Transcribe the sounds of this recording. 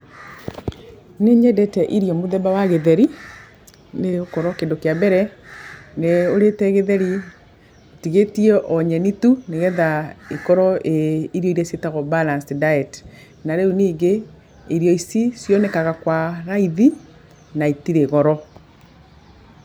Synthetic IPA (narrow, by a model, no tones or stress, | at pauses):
neɲɛdɛtɛʔiɾjɔmoðɛbawaɣeðɛɾi | neokɔɾɔkendokeabɛɾɛ | neoɾetɛɣeðɛɾi | tiɣetiɛʔɔɲɛnituneɣɛðaekɔɾɔʔeiɾjɔiɾɛsetaɣɔbalansdaɛt | naɾeuniːɡe | eɾjɔisisjɔnɛkaɣakwaɾaiði | naitiɾeɣɔɾɔ